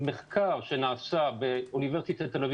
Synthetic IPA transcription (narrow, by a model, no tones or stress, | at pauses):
meχkʰaʁʃenaːsabeuniveʁsit̪at̪ːelev